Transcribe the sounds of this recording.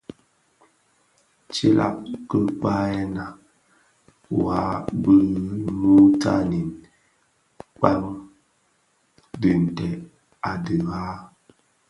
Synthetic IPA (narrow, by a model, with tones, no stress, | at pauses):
t͡ʃi˦lʔa̰˦ʔkə˦k͡pa˦ɛ˦na˨ | wa˨˦bə˦mu˦tʰa˦ni˨n | k͡pa˦ŋ | dɨ˨n̩˨tɛ˨ | a˨də˨ɣa˦